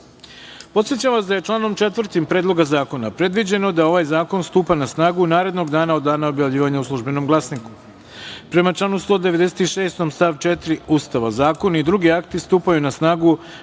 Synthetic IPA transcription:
po̞t̪sjet͡ɕaʋasd̪aje̞t͡ʃlˠaːno̞mt͡ʃe̞t̪ʋr̩t̪impɾeːd̪loɡazaːko̞napɾe̞d̪ʋid͡ʑe̞no̞d̪ao̞ʋajzaːko̞nst̪uːpanasnaːɡunaːɾe̞d̪no̞ɡd̪aːnaod̪ːaːnao̞bjaʋʎiːʋaɲauslˠuʒbe̞no̞mɡlˠasniku̥ | pɾe̞mat͡ʃlˠaːnust̪o̞ːd̪e̞ʋe̞d̪ese̥t̪iʃe̞ːst̪o̞mst̪aʋt͡ʃet̪ɾiuːst̪aʋazaːko̞naid̪ɾuɡiakt̪ist̪uːpajunasnaːɡu

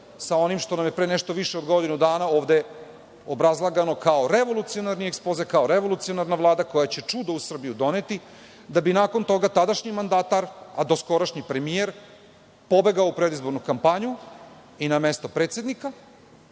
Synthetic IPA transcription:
sao̞nimʃt̪o̞namjepɾeːneʃt̪o̞ʋiʃeod̪ɡo̞d̪inud̪aːnao̞ːʋd̪e | obɾazlˠaɡano̞kaoɾeʋo̞lˠut̪sijonaɾniekspozekaoɾeʋo̞lut̪sio̞naɾnaʋlˠaːd̪ako̞jat͡ɕe̞t͡ʂud̪ousr̩bijud̪o̞net̪i | d̪abinaːkont̪o̞ɡat̪ad̪aʃɲimand̪aːt̪aɾad̪o̞sko̞ɾaʃɲipɾe̞mijeɾ | po̞be̞ɡaoupɾe̞d̪izbo̞ɾnukampaɲu | inamest̪o̞pɾet̪sʲe̞d̪nika

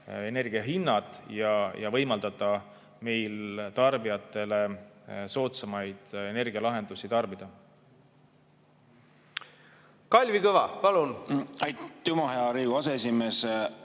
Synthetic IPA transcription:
e̞ne̞rɡ̥iɑɦinːɑt̪ˑjɑjʔɑ̰vɤ̞jmɑld̪̥ɑt̪ːˑɑ | me̞jlt̪ɑrbijɑt̪ːˑe̞le̞so̞ːt̪sɑmɑjd̪̥e̞ne̞rɡ̥iɑlɑɦe̞nd̪̥usit̪ɑrbid̪̥ɑ | kɑlʲvikɤvɑpɑlunɑjt̪ːumɑɦeɑɾiːɡuɑsees̬ʲimeːs

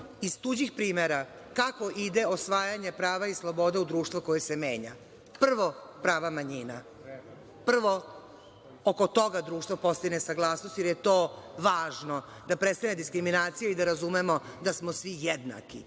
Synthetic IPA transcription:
iz̥t̪ud͡ʑixpɾiːmeɾa | kako̞ʔid̪e̞o̞sʋaːjaɲe̞pɾaːʋaislˠobo̞d̪eud̪ɾuːʃt̪ʋoko̞jesemeːɲa̰ | pr̩ʋo̞pɾaːʋamaɲiːna | pr̩ʋo̞ | oko̞t̪o̞ɡad̪ɾuːʂt̪ʋo̞po̞st̪iinesaɡlˠaːsnost̪jeɾjet̪oːʋaːʒno̞ | d̪apɾet̪st̪aned̪iskɾiminaːt̪sijaid̪aɾazumemo̞d̪asmo̞sʋijed̪na̰kḭ

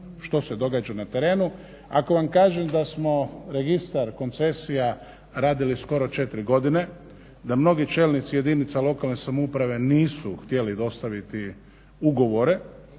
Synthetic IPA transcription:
ʃt̪o̞se̞d̪o̞ɡaːd͡ʒanat̪e̞ɾe̞ːnu | ako̞ʋamkaːʒemd̪asmo̞ɾe̞ɡist̪aɾko̞nt̪se̞sija | ɾaːd̪ilisko̞ɾo̞t͡ʃe̞t̪ɾiɡo̞d̪ine̞ | d̪amno̞ɡit͡ʃe̞ːlnit̪sije̞d̪init̪salˠo̞kalnesamoupɾaʋe̞niːsuxt̪je̞lid̪o̞st̪aʋit̪i | uɡo̞ʋo̞ɾe̞

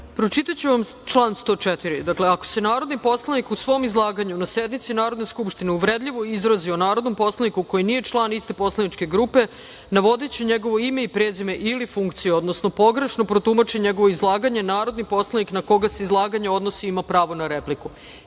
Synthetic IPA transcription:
pɾo̞t͡ʃit̪at͡ɕuʋamt͡ʃlˠaːnst̪o̞ːt͡ʃet̪iɾid̪akleako̞̥se̞naːɾo̞d̪nipo̞slˠanikusʋo̞mizlˠaːɡaɲunasjed̪mit̪sinaːɾod̪neskupʃt̪ineuʋɾed̪ʎʲiʋo̞izɾazionaːɾo̞d̪no̞mpo̞slˠanikuko̞jinije̞t͡ʃlˠaːnist̪e̞po̞slˠanit͡ʃke̞ɡɾuːpe̞ | naʋo̞d̪et͡ɕeɲe̞ɡo̞ʋo̞ime̞ipɾeːzime̞ʔilifuŋkt̪sijuo̞d̪nosno̞po̞ɡɾeʃno̞pɾo̞t̪umat͡ʃiɲe̞ɡo̞ʋoizlˠaːɡaɲe̞naːɾo̞d̪nipo̞slˠaniknako̞ɡaseizlˠaːɡaɲeo̞d̪nosiimapɾaːʋo̞naɾepliku

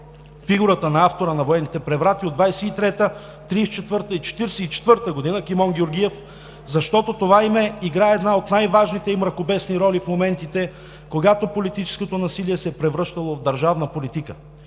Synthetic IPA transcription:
fiɡuɾət̪ənɐaft̪oɾənɐvoɛnːit̪ɛpɾɛvɾat̪iod̪vajsɛit̪ɾɛt̪ə | t̪ɾist͡ʃɛt̪vɤɾt̪əit͡ʃɛ̥t̪iɾɛsɛit͡ʃɛ̥t̪vɤɾt̪əɡod̪inəkimɔnɡʲoɾɡʲiɛf | zɐʃt̪ɔt̪ot̪ovaimɛiɡɾaɛɛd̪naot̪najvaʒnit̪ɛimɾɐkobɛsniɾɔlifmomɛnt̪it̪ɛ | koɡat̪opolit̪it͡ʃɛ̥skot̪onɐsiliɛsɛpɾɛvɾɤʃt̪ɐlˠovd̪ɐɾʒavnəpolit̪ikə

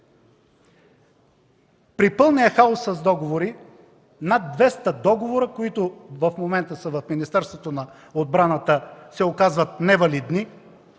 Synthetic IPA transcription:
pɾipɤlˠniəxaosːɐzd̪ɔɡovoɾi | nad̪̚ːvɛst̪əd̪ɔɡovoɾəkoit̪ʊvɐfmomɛnt̪əsəvɐfminist̪ɛɾst̪vot̪onɐ | od̪̚bɾanət̪əsɛokazvət̪̚nɛvɐlid̪ni

